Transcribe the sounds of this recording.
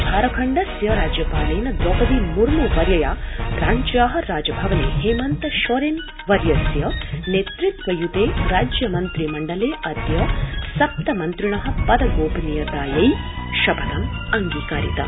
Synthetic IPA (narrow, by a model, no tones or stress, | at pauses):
b̪ʱaːɾɐkʰɐɳɖɐsjɐɾaːd͡ʒjɐpaːleːnɐd̪ɔʔɐʋimuɾmuːʋɐɾjɐjaːɾaːɲt͡ʃjaːɦɐ̆ɾaːd͡ʒɐbʱɐʋɐnḛːɦeːmɐnt̪ɐʃoɾen | ʋɐɾjɐsjɐnet̪ɾit̪ʋɐjud̪eːɾaːd͡ʒjɐmɐnt̪ɾimɐɳɖɐleːɐd̪jɐsɐp̚t̪ɐmɐnt̪ɾiɳɐɦɐ̆pɐd̪ɐɡoːbinijɐd̪aːjɐjʃɐbʱɐd̪ɐmɐŋɡiːkaːɾḭt̪ɐ̰